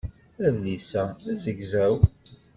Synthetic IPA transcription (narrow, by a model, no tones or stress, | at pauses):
æðlisææzəɡzæw